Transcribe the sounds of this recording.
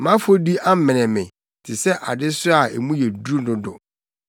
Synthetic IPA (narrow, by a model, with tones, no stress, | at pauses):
mã˦fo˦di˦ʔa˦m̩˦mɛ̃˨nɛ̃˨mɪ̃˨ | tʰɪ˨sɛ˦ʔa˨dɪ˦sʊ˦a˨e˨mũ˦jɛ˨du˦nʊ̃˦dʊ˨